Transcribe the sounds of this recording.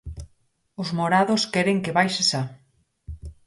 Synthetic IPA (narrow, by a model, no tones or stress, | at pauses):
ʊzmoɾaðʊskɛɾeŋkeβajʃesa